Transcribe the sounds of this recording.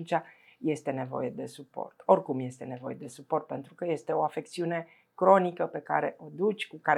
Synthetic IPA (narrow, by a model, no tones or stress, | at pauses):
nt͡ʃaje̞st̪e̞ne̞vo̞̰je̞d̪e̞supo̞̰rt̪o̞rkumje̞st̪e̞ne̞vo̞̰jed̪e̞supo̞rt̪̚pe̞nt̪ɾukəje̞st̪e̞o̞afe̞k̚t̪siune̞ | kɾo̞nikəpe̞ka̰ɾe̞ʔo̞d̪ut͡ʃʲkukaɾ